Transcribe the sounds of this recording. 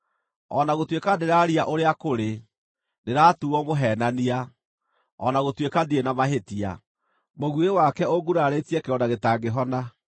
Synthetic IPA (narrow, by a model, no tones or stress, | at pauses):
ɔnaɣotwekadeɾaɾiaʔoɾeakoɾe | neɾatuɔmoɦɛːnania | ɔ̰naɣotwekadienamaɦetia̰ | moɣwewakɛoɡuɾaɾetiɛkeɔdaɣetaɡeɦɔna